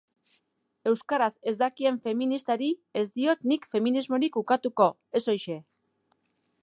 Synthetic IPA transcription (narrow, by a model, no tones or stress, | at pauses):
e̞wskaɾase̞zd̪akie̞ɱfe̞minist̪aɾie̞zd̪io̞t̪nikfe̞minizmo̞ɾikukat̪uko̞ | e̞so̞jʃe̞